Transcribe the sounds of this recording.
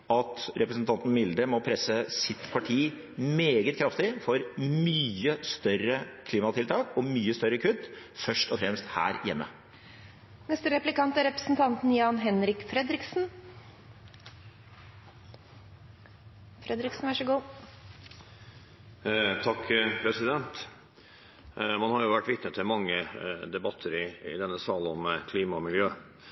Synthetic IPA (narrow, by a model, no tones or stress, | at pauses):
ɑt̪ɾɛpɾəsn̩t̪ʰɑnt̪n̩mɪld̪əmɔpʰɾɛsəsɪt̪pʰɑʈʰiː | meːɡət̪kʰɾɑft̪ɪfɔɾmyːəst̪œɾəkʰliːmɑt̪ʰɪlt̪ʰɑːkɔmyːəst̪œɾəkʰʉt̪ːfœʂʈɔfɾɛmst̪hæ̰ːɾjɛmːə̰ | nɛst̪əɾɛplɪkɑnt̪æɾɛpɾə̥sn̩t̪ʰɑnt̪n̩jɑːnɦɛnɾɪkfɾɛd̪ɾɪksn̩ | fɾɛd̪ɾɪksn̩ʋɑʂəɡuː | t̪ʰɑkːpʰɾɛsɪd̪ɛnt̪ | mɑnhɑɾjʊʋæʈːʋɪt̪nət̪ʰɪlmɑŋːəd̪ɛbɑt̪ʰːəɾɪɪ̰d̪ɛnːəsɑːlənɔmkʰliːmɑmɪljøː